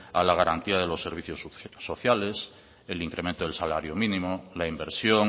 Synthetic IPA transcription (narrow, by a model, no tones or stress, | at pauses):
a̰laɣaɾant̪iaðelo̞sːe̞ɾβ̞iθjossoθjales | eliŋkɾʔement̪oð̞elsala̰ɾjomĩnĩmolaimbeɾsjoŋ